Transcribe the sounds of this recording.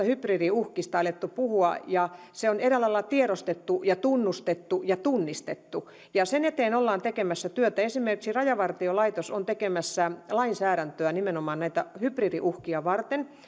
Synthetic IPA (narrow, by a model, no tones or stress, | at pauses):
ɑhypriːriuhkist̪ɑɑlet̪ːupuhuɑ̰jɑ | seoneɾelːɑilːɑt̪ieɾost̪et̪ːujɑt̪unːust̪et̪ːujɑt̪unːist̪et̪ːu | jɑsenet̪eːnolːɑːnt̪ekemæsːæt̪yøt̪æesimerkiksirɑjɑʋɑrt̪iolɑit̪osont̪ekemæsːælɑinsæːɾænt̪øænimenomɑːnnæit̪æhypriːrḭʔuhkiɑʋɑrt̪en